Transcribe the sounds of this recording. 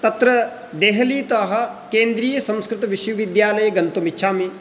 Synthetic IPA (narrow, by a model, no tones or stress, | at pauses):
t̪ɐt̪ɾɐ | d̪eːɦɐliːt̪ɐɦɐ̆ | keːnd̪ɾiːjɐsɐ̃mskɾɪt̪ɐʋɪʃʋɐʋid̪jaːlɐjɐɡɐnt̪umitːʃʰaːmi